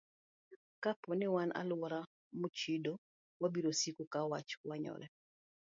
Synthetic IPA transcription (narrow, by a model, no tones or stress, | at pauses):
kapɔnɪwanʔa̰lʊwɔɾa | mut͡ʃido | wabiɾosikukawat͡ʃwaɲɔ̰ɾɛ